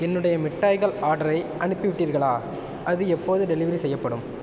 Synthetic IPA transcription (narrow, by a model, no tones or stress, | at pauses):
ɛnːɯɽɐjɐmɪʈːaːjɣɐɭaːɾɽɐɾɐɪʔɐɳɪpːiʋɪʈːiːɾɣɐɭaː | ʔɐðɯɛpːoːðɯɖɛlɪʋɐɾisɛjːɐpːɐɽɯm